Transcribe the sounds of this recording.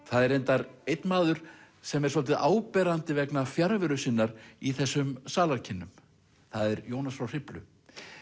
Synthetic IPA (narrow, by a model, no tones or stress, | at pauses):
θaðɛɾejnt̪aɾejt̪nmaːðʏɾ̥ | sɛmɛɾ̥sɔlt̪ɪðaːwpɛːɾant̪ɪvɛknafjaɾvɪɾʏsɪnːaɾiθɛsːʏmsaːlaɾ̥cʰɪnːʏm | θaðɛɾjoːwnasfɾawr̥ɪplʏ̰